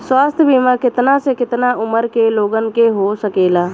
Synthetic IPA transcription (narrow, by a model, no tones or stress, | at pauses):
swaːst̪ʰjbimakɪt̪nasekɪt̪naʊməɾkeloːɡənkeɦosəkeːlaː